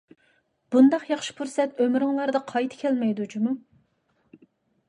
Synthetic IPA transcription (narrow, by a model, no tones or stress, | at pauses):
b̥und̪ɑqjɑχʃi̥pʰuɾsɛt̪ømɾɨŋlˠɑɾd̪ɑqʰɑjt̪ʰɪ̥kʲʰælmɛjd̪ud͡ʒumu